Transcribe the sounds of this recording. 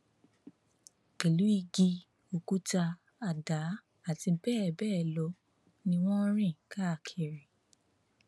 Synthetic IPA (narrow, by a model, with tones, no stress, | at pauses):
ke˨lu˨˦i˦˧ɡi˧ | o˧ku˦ta˧ | a˨da˨˦ | a˦˨tĩ˧bɛː˦˨bɛː˦˨lɔ˨˦ | nĩ˧w̃ɔ̃˦ɾ̃ĩ˦˨ka˦˨kʰe˨ɾi˨